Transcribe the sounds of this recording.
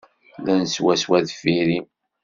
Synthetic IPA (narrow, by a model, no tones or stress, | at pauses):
ðænswæswæðfiɾim